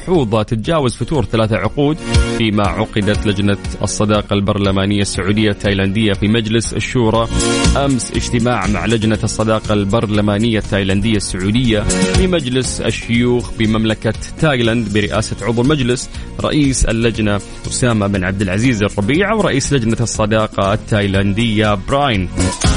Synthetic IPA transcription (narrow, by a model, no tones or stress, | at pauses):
ħuːðˤɑt̪ɪt̪ad͡ʒaːwazfʊt̪uːɾθalaːθaʕʊquːd̪fiːmaʕʊqɪd̪at̪lad͡ʒnaʔɑ̰sˤːɑd̪ɑːqɑlbɑɾˤlamaːnɪjːasːaʕuːd̪ɪjːat̪ːaːjland̪ɪjːafimad͡ʒlɪsa̰ʃːuːɾˤɑʔamsʔɪ̰d͡ʒt̪ɪmaːʕma̰ʕlad͡ʒnasˤːɑd̪ɑːqɑlbɑɾˤlamaːnɪjːat̪ːaːjland̪ɪjːasːʊʕuːd̪ɪjːafimad͡ʒlɪsa̰ʃːʊjuːxbɪmamlakat̪ːaːjland̪bɪɾɪʔa̰ːsaʕʊðˤwlmad͡ʒlɪs | ɾˤɑ̰ʔiːsa̰lːad͡ʒna | ʔʊsaːmaʔɪbɪnʕab̚d̪ɪlʕaziːzɑrˤːɑbiːʕawɾˤɑʔiːslad͡ʒnasˤːɑd̪ɑːqɑat̪ːaːjland̪ɪjːabɾˤaːjn